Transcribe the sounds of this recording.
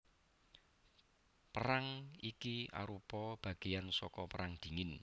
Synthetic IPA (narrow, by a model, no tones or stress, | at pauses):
pəɾaŋikia̰ɾupɔb̥a̤ɡ̥ejansɔkɔpəɾaŋd̪̥i̤ŋɪn